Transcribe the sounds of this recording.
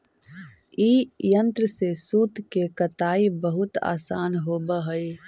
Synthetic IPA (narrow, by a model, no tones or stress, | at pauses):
iːjə̃nt̪ɾəsesuːt̪kekət̪aːibəɦʊt̪a̰ːsaːnɦoːbəɦəi